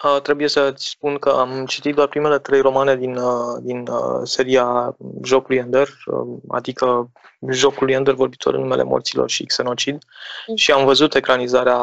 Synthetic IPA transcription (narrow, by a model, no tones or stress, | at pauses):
ət̪ɾe̞buje̞sət̪sʲspunkəamt͡ʃit̪it̪̚d̪oarpɾime̞le̞t̪ɾe̞jro̞mane̞d̪inəd̪inəse̞ɾiaʒo̞kulujənd̪erə̰a̰d̪ikə | ʒo̞kulujənd̪ervo̞rbit̪ʰo̞̰ɾɨ̰nːume̞le̞̰mo̞̰rt̪silo̞̰rʃikseno̞t͡ʃid̪ | ʃiamvəzut̪e̞kɾanizaɾea